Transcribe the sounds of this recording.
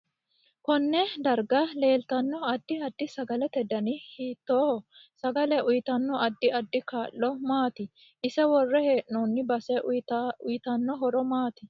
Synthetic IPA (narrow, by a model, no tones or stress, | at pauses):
kɔnːɛd̪ɐɾɡɐle̞ːlt̪ɐnːɔɐd̪ːɪɐd̪ːɪsɐɡɐlɛt̪ɛd̪ɐnɪhiːt̪ːoːhɔsɐɡɐlɛʔʊjɪt̪ɐnːɔɐd̪ːɪɐd̪ːɪkaːʔːɔmaːt̪ɪ | ʔɪsɛwɔrːɛhe̞ːʔnɔːnːɪbɐsɛʊjɪt̪ɐnːɔɦɔɾɔmaːt̪ɪ